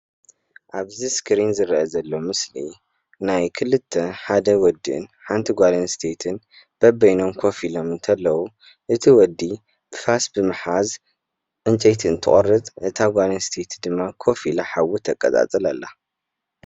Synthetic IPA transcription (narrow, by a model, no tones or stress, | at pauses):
ʔaβziskʰɾinzɨɾʔɐzɐlːo̞mɨsli | najkʰɨlɨt̪ʰːɐħad̪ɐwɔd̪ḭɨ̰nħant̪ʰiɡʷalɐnst̪ʰet̪ʰɨn | b̥ɐbːɐjno̞mkʰo̞filo̞mɨnt̪ʰɐlːɐwu | ʔɨt̪ʰiwɔd̪ːi | fasbɨmɨħaz | ʔɨnt͡ʃʼɐjt̪ʰiɨnt̪ʰɨ̰χʼɐrːɨt̪ʼʔɨt̪ʰaɡʷalɐnst̪ʰet̪ʰd̪ɨmːakʰo̞filaħawut̪ʰɐkʼːɐt̪ʼa̰t͡sʼɨlɐ̰lːa